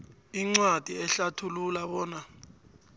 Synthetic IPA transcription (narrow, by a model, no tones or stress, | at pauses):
iŋ͡ǀwad̥ʱiɛɬatʰululaɓɔːna